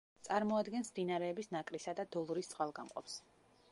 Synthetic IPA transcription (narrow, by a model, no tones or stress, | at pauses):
t̪sʼaɾmɔad̪ɡɛnsmd̪inaɾɛːbisnakʼɾisad̪ad̪ɔlˠɾist̪sʼwalˠɡamqʼɔ̰ps